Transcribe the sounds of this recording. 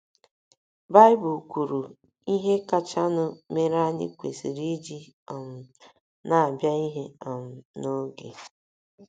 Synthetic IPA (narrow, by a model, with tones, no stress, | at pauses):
ba˦ɪ˦bʊ˨kʷu˨ɾu˨ | i˦ɦe˦ka˦t͡ʃa˦nʊ˦me˦ɾa˦ɲɪ̰˦kʷe˨si˨ɾi˦d͡ʒi˦ | a˨m̩˨ | na˨a˨bja˦i˦ɦe˦a˨m̩˨no˦ɡḛ˨